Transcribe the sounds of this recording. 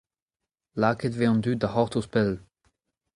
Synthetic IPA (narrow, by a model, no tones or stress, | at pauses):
laːkətveɑ̃nd̪ydahɔʁt̪ospɛl